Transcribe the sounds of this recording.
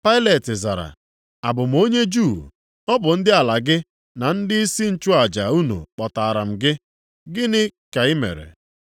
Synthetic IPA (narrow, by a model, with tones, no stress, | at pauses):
pa˦ɪ˦le˨tɪ˨za̰˨ɾa̰˨ | a˨bʊ˨m̩˨o˦ɲe˦d͡ʒu˦˨ | ɔ˦bʊ˨n̩˦dɪ˦a˨la˨ɡɪ˦ | na˨n̩˦dɪ˦i˦si˦n̩˨t͡ʃʊ˦a˨d͡ʒa˨u˦nṵ˨k͡pɔ˨ta˨a˨ɾa˨m̩˨ɡɪ˦ | ɡɪ˦nɪ˦ka˨ɪ˦mḛ˨ɾḛ˨